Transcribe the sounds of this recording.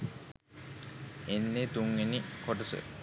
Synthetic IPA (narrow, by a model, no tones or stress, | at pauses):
enːet̪uŋɡenikʰoʈəsə̰